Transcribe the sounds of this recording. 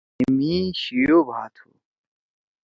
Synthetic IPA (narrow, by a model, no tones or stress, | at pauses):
imĩːɕijoːbʱaːt̪ʰṵ